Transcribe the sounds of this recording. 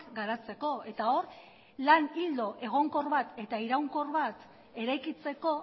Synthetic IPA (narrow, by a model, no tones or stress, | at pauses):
kɡaɾat͡se̞ko̞e̞t̪ao̞ɾ | lanild̪o̞ʔe̞ɣ̞o̞ŋko̞rβat̪e̞t̪aiɾawŋko̞rβat̪ | e̞ɾajkit͡se̞ko̞